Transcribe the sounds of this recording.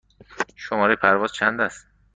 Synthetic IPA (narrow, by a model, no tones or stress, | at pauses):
ʃomɒːɾejepʰæɾvɒːz̥t͡ʃʰænd̪æs